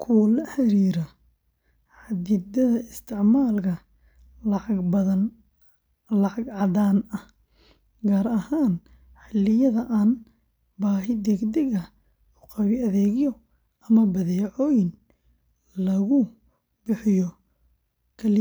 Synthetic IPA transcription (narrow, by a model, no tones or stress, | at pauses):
kʰulɐħɛɾiːɾɐ | ʕɑd̪ɪd̪ɐðɐɪst̪ʰɪʕmaːlkʰɐ | bɐðɐn | lɐʕɑɡʕɑdaːnɐ | ɡaːɾɐhaːn | ħɪlːɪjɐðɐʔaːn | baːɦɪd̪ɛɡd̪ɛɣɐ | ʊqɑβɪɐðɛːɣɪjɔ | ɐmɐbɐðɛʕɔːjɪn | lɐɣʊ | bɪħɪjɔ | kʰɐlɪ